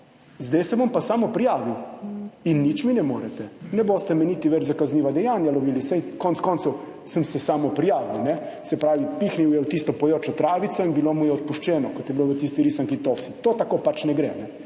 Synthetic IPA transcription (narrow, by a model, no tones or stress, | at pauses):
zd̪ɛjsɛʋompasaːmɔpɾijaːʋiwinːit͡ʃminɛmoːɾɛt̪ɛnɛboːst̪ɛmɛniːt̪iʋɛt͡ʃzakazniːʋad̪ɛjaːnjaloʋiːlisɛjkontskɔnsow | səmsɛsaːmɔpɾijaːʋiwnɛ | sɛpɾaːʋipixniwjɛut̪ist̪ɔpɔjoːt͡ʃɔt̪ɾaːʋit̪sɔinbilomujɛɔt̪̚puʃt͡ʃɛːnɔkɔt̪jɛbiloʋət̪iːst̪iɾiːsaŋkit̪ofsi̥t̪oːt̪akoːpat͡ʃnɛɡɾɛnɛ